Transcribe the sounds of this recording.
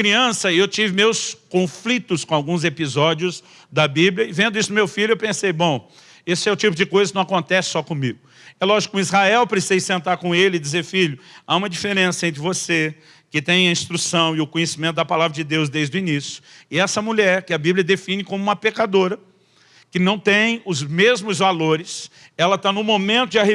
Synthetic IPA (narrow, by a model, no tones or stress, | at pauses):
kɾiɐ̃sɐewt͡ʃivɪmewskõflit̪ʊskõawɡũzepizɔd͡ʒjʊz | d̪ɐbibljɐɪvẽnd̪ʊisʊd̪ʊmewfiʎʊewpẽsejbõw̃ | esʊɛʊt͡ʃipʊd͡ʒɪkojzɐkɪnɐ̃w̃akõnt̪ɛsɪ̥sɔkõmiɡʊ | ɛlɔʒikizhaɛwpɾesizejsẽnt̪aɾkõelɪd͡ʒizeɾfiʎʊaũmɐd͡ʒifeɾẽsɐẽnt̪ɾɪvose | kɪt̪ẽj̃ɐĩst̪ɾusɐ̃w̃ɪʊkõɲesimẽnt̪ʊd̪ɐpalavɾɐd͡ʒɪd̪ewzd̪ejzd̪ʊinisjʊ̥ɪɛsɐmuʎɛɾkɪɐbiblʲijɐd̪efĩnɪkõmʊuũmɐpekad̪oɾɐ | kɪnɐ̃w̃t̪ẽj̃ʊzmezmʊzvaloɾɪs | ɛlɐt̪anʊmomẽnt̪ʊd͡ʒɪaɦe